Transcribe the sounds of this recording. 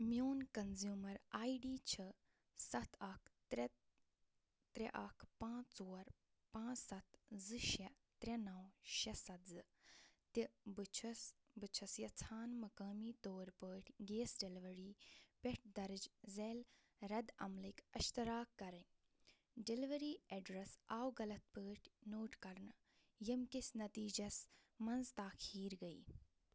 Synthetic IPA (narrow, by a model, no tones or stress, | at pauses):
mjoːnkɐnzjuːmɐɾaːiɖiːt͡ʃʰɨ | sɐt̪ʰɐkʰ | t̪ɾeʔɐkʰpãːt͡ʃt͡soːɾ | pãːsɐt̪zɨʃɛ | t̪ɾʲɐnɐwʃɐsɐzɨ | t̪ibɨt͡ʃʰs | bɨt͡ʃʰɐsjɐt͡sʰaːnmɐkaːmiːt̪oːɾpəːʈʲʰɡeːsɖeliʋɐɾiːpeʈʰd̪ɐɾd͡ʒzeːl | ɾɐd̪ɐmlikɐʃt̪ɐɾaːkːɐɾɐnʲ | ɖeliʋɐɾiːeɖɾɐsaːwɡɐlɐt̪̚pəːʈʰnoːʈkɐɾn | jɐmkisnɐt̪iːd͡ʒɐsmɐnzt̪aːkʰiːɾɡɐiː